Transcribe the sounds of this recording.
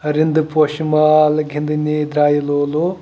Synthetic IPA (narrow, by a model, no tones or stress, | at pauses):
ɾɪnd̪ɨpoːʃimaːlɡʱɪnd̪inid̪ɾaːjilolo